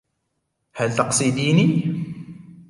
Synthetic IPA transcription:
hælt̪ɑqsˤid̪ini

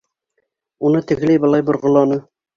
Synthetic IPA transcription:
unɤt̪ɘ̆ɡlæjbɤlˠɑjbŏɾʁŏlˠɑnɤ

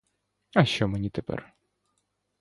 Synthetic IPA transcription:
ɐʃt͡ʃɔmenʲit̪epɛ̰r

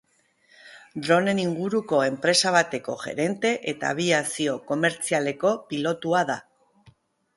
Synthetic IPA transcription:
d̪ɾo̞ne̞niŋɡuɾuko̞e̞mpɾe̞saβ̞at̪e̞ko̞̰ʝe̞̰ɾe̞nt̪e̞ʔe̞t̪a̰ːβ̞iasio̞ko̞me̞ɾt͡siale̞ko̞pilo̞t̪uaða

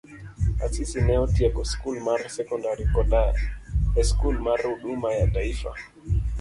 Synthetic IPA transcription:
asisinɛɔtiɛkɔskulmaɾsɛkɔndaɾikɔɗa | ɛskulmaɾuɗumajataifa̰

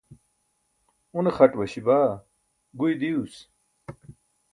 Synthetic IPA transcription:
unexɐʈwɐɕibaː | ɡujd̪ius

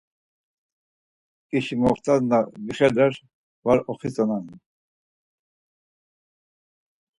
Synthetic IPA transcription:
kʼiʃimɔχt̪ʰʼanabiχɛd̪ɛɾ | vaɾɔχit͡sʼɔnan

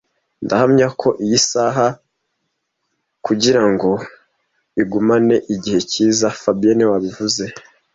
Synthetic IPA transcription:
ndahamɲakʰo̞ʔijisaɦa | kuɟiɾaŋɡo̞ | iɡumane̞ʔiɟihe̞ciːzafabienewaβivuze̞

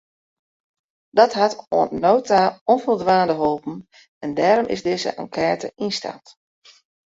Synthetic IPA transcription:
d̥ɔtɦato̰ənnowtaɔnfolˠdʋaːndəɦolˠpn̩ | ɛndɛːɾɔmʔɪ̰zdɪzə̰ʔa̰ŋkʰɛːtə̰ʔinsta̰ːt

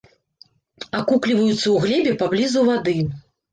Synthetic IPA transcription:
akuklʲivɐjut̪sːɐwɣlʲɛbʲɛpablʲizuvad̪ɨ

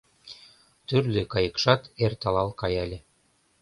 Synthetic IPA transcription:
t̪yrlʲekɑjɤ̆kʃɑt̪ert̪ɑlɑlkɑjɑlʲĕ

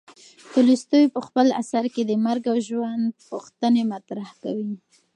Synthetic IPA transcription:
t̪ulist̪ujpəxpəla̰saɾked̪əmaɾɡawʒwand̪̚puxt̪ənemat̪ɾahkawi

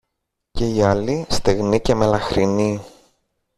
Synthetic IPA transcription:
ce̞iɐlist̪eɣnice̞me̞lɐxɾini

